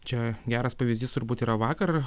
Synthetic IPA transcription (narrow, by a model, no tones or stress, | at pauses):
t͡ʃʲɛɡʲæːɾɐspɐʋʲɪzʲdʲiːst̪ʊɾbuːt̪iːɾɐʋɑːkɐr